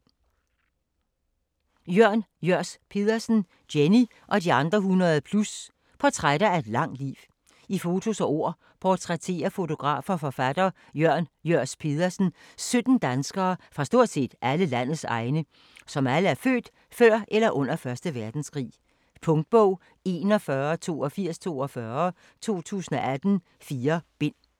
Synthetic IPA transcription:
jøɐ̰njøɐ̰spʰe̝ðˠɐsn̩ | d̥eni | ʔɒ̽d̥iɑ̈nd̥ʁɐɦunɐð̞̩ˠəpʰlus | pʰɒ̽t͡sʰʁaɾ̥ɐæɐe̝d̥lɑ̈ŋ̰̥lḭːʋ | ifo̝t͡sʰo̝sɒ̽ʔo̝ɐ̰ | pʰɒt͡sʰʁɛt͡sʰe̝̰ːɐfo̝t͡sʰo̝ɡ̥ʁɑ̰̈ːfɒfɒ̽fæd̥ɐ | jøɐ̰njøɐ̰spʰe̝ðˠɐsn̩ | sød̥n̩d̥ænsɡ̥ɐːfʁɑ̈sd̥o̝ɐ̰d̥se̝̰ːd̥ʔæləlæn̰ð̩ˠsɑ̈ɪnə | sɒ̽mæləæɐfø̰ːd̥ | fɶɐ̰ʔelɐʔɔ̽n̰ɐfɶɐsd̥əʋæɐd̥n̩skʰʁḭː | pʰɔ̽ŋd̥̚b̥ɔʊ̰ | e̝nɒ̽fɶːɐt͡sʰo̝̰ːɒ̽fiɐ̰st͡sʰo̝̰ːɒfɶɐ | t͡sʰo̝̰ːt͡sʰṵːsn̩ɒ̽ʔæd̥n̩ | fiːɐb̥e̝n̰

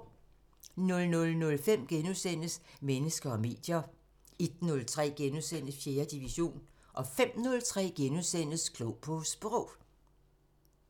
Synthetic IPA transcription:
nɔ̽lnɔ̽lnɔ̽lfem̰ɡ̥enuðˠsen̰əsmenəsɡ̥ɐɒ̽me̝̰ːd̥jɐ | ed̥nɔ̽lt͡sʰʁɛ̰ːɡ̥enuðˠsen̰əfje̝ːɐd̥iʋiɕo̝̰ːnʔɒ̽fem̰nɔ̽lt͡sʰʁɛ̰ːɡ̥enuðˠsen̰əskʰlɔʊpʰɔsb̥ʁɔʊ̰

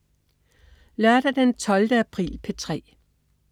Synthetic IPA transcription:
lɶɐd̥ɐd̥ent͡sʰɒ̽ld̥əæpʰʁḭːlpʰet͡sʰʁɛ̰ː

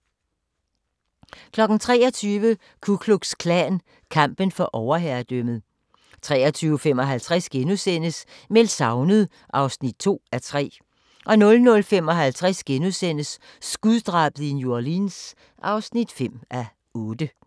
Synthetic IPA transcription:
kʰlɒ̽ɡ̥n̩t͡sʰʁɛ̰ːɐt͡sʰyːʋə | kʰukʰluɡ̥skʰlæːn | kʰɑ̈m̰b̥ənfɒ̽ʔɒʊɐɦæɐd̥øməð̩ˠ | t͡sʰʁɛːɐt͡sʰyːʊəfem̰ɒ̽ɦælt͡sʰʁasɡ̥enuðˠsen̰əs | melsɑ̈ʊnəð̩ˠ | ʔɑ̈ʊsnid̥̚t͡sʰo̝̰ːæt͡sʰʁɛ̰ː | ʔɒ̽nɔ̽lnɔ̽lfem̰ɒ̽ɦælt͡sʰʁasɡ̥enuðˠsen̰əsː | ɡ̥uðˠd̥ʁɑ̈ːb̥əð̩ˠinjuɐlins | ʔɑ̈ʊsnid̥fem̰ʔæ | ɔ̽ːd̥ə

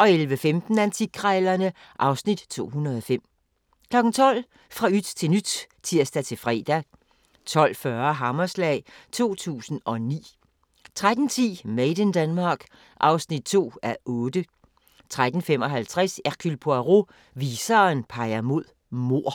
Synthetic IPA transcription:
ʔɒ̽elʋəfemd̥n̩ænt͡sʰikʰʁɛlɐnə | ʔɑ̈ʊsnid̥t͡sʰo̝̰ːɦunɐðˠɒ̽fem̰ | kʰlɒ̽ɡ̥n̩t͡sʰɒ̽l̰ | fʁɑ̈yd̥t͡sʰe̝nyd̥ | t͡sʰiɐ̰sd̥æt͡sʰe̝fʁɛ̰ːd̥æ | t͡sʰɒ̽l̰fɶɐɦɑmɐslɛ̰ɪt͡sʰo̝̰ːt͡sʰṵːsn̩ɒ̽nḭː | t͡sʰʁad̥n̩t͡sʰḭːmeɪd̥ənd̥ænmɑ̈ːɡ̥ | ʔɑ̈ʊsnid̥̚t͡sʰo̝̰ːæʔɔ̽ːd̥ə | t͡sʰʁad̥n̩fem̰ɒ̽ɦælt͡sʰʁasæʁkʰylpʰoæʁo̝ | ʋiːsɐːnpʰɑ̈ɪɐmo̝ð̰ˠ | mo̝ɐ̰

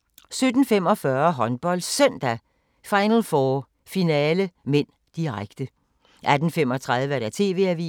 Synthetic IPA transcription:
sød̥n̩fem̰ɒ̽fɶɐɦɒ̽nb̥ɒ̽l̰d̥sœn̰d̥æ | fɑ̈ɪnəl̩fɒː | finɛːləmen̰ | d̥iʁaɡ̥d̥ə | ʔæd̥n̩fem̰ɒ̽t͡sʰʁað̞ˠʋəæɐɾ̥æt͡sʰe̝̰ːʋe̝̰ːæʋḭː

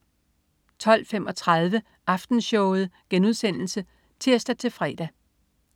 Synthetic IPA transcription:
t͡sʰɒ̽l̰fem̰ɒ̽t͡sʰʁɑð̞ˠʋə | ɑ̈fd̥n̩sɕɔʊð̞̩ˠɡ̥enuð̞ˠsen̰l̩sə | t͡sʰe̝ɐ̰sd̥æt͡sʰe̝fʁɛ̰ːd̥æ

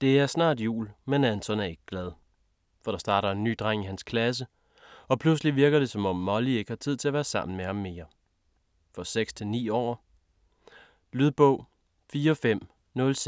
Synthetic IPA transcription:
d̥e̝æɐsnɑ̰̈ːd̥jṵːlmenænsɒnæɐe̝ɡ̥əɡ̥lɛð̞ˠ | fɒ̽ɾ̥ɑ̈sd̥ɑ̈ːɾɐe̝nːy̰ːd̥ʁɑ̈ŋ̰iɦænskʰlæs̬ə | ɒ̽pʰlus̬liʋiɐɡ̥ɐd̥e̝sɒ̽mɒ̽mːɒ̽lie̝ɡ̥əhɑ̈t͡sʰiðˠʰe̝æɐʋæːɐsɑ̈m̰n̩mehɑ̈mːe̝ːɐ | fɒ̽seɡ̥st͡sʰe̝lnḭːɒ̰ː | lyðˠb̥ɔ̽ʊ̰ | fiːɐfem̰ | nɔ̽ls

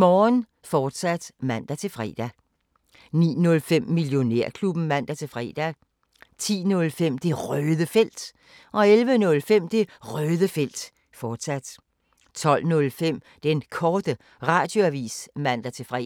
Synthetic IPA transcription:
mɒːn | fɒːd̥sæd̥mæn̰d̥æt͡sʰe̝fʁɛ̰ːd̥æ | nḭːnɔ̽lfem̰ːiljo̝ne̝ɐ̰kʰlub̥n̩mæn̰d̥æt͡sʰe̝lfʁɛ̰ːd̥æ | t͡sʰḭːnɔ̽lfem̰d̥e̝ʁœːðˠəfel̰d̥ | ʔɒ̽elʋənɔ̽lfem̰d̥e̝ʁœːðˠəfel̰d̥ | fɒːd̥sæd̥ | t͡sʰɒ̽l̰nɔ̽lfem̰ | d̥enkʰɒːd̥ə | ʁɑ̈d̥jo̝æʋḭːsmæn̰d̥æt͡sʰe̝fʁɛ̰

